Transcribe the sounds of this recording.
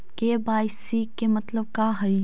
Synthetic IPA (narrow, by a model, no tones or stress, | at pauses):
kebaːɪsiːkːemɐt̪ləb̚kaɦɐj